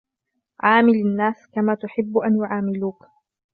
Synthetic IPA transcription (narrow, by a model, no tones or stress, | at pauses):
ʕaːmɪlanːaːskamaːt̪ʊħɪbːʊʔanjʊʕaːmɪluːk